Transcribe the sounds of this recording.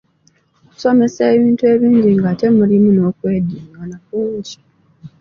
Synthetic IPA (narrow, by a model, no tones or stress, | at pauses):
oku̥so̞me̞seːβiːntue̞βiːɲɟiŋɡaːte̞mulimuno̞kwe̞ːdiŋɡanafuci̥